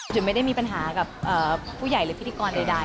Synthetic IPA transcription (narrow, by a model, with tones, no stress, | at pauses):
t͡ɕʰɯ˨˩˦ma˥˩jda˥˩jmiː˧pa˧nɦaː˩˦ka˨˩pʔɤː˨˩uː˥˩ja˨˩jɾɯː˨˦pʰi˦˥t̪ʰiː˧kɔː˧nda˧jda˥˧˩